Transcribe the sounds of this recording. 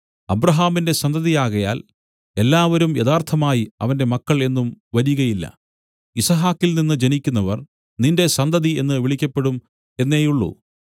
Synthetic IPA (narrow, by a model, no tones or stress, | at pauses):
ɐbrɐɦaːminde̞sɐnd̪ʱɐðijaːɣɐja̰ːl | e̞lːaːʋɐɾumjɐðaːrt̪ʰɐmaːjiɐ̰ʋɐnde̞mɐkːɐɭe̞nːumʋɐɾjuɣɐjilːɐ̰ | isɐɦaːkːilninːɨd͡ʑenikʲːunːɐʋɐr | ninde̞sɐnd̪ʱɐðie̞̰nːɨʋiɭikʲːɐpːe̞ɽum | e̞nːe̞ːjuɭːṵ